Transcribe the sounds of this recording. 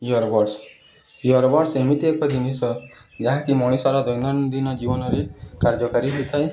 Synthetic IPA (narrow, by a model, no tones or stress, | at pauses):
jɔɾbɔɖs | jɔɾbɔɽsemit̪iekɔd̪ʱinisɔd͡ʒaɦãkimɔɽ̃isɔɾɔd̪ɔjnd̪ɔnd̪inɔd͡ʒibɔnɔɾekaɾd͡ʒɔkaɾiɦet̪ʰae